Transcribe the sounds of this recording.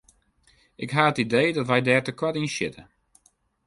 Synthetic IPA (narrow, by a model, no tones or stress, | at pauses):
ʔɪkɦaːətidejdɔtʋɛjdɛːrtəkwatinsɪ̰tə